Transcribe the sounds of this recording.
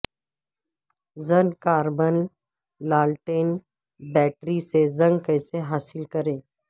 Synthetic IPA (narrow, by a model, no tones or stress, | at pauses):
zɐ̃ŋkaːɾbən | laːlʈeːn | bɛːʈɾisezɐ̃ŋɡkəjseɦaːsɪlkɐɾẽː